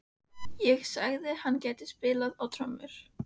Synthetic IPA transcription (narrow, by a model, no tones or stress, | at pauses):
jɛɣsa̰ɣðɪhanːcɛːt̪ɪ̥spɪːlaðawt̪ʰɾamʏɾ̥